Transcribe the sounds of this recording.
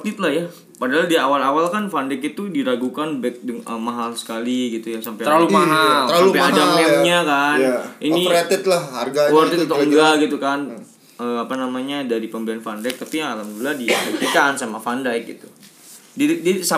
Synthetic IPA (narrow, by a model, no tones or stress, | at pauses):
t̪ɪt̪lahja | padaɦaldiawalawalkanfandakit̪udilaɡukanbɛk̪̚dəŋəmaɦalsə̥kaliɡit̪ujaŋsampajəaalumaɦaəɾalaumpaadamɛɲakaniniet̪ɪt̪lahha̰rɡawɔrit̪t̪ɔŋɡaɡit̪ukan | əːapanamaɲadaɾipəmbəanfandajk̚t̪apijaŋalamduladiet̪ikansamafandajk̚ɡḭt̪u | didsa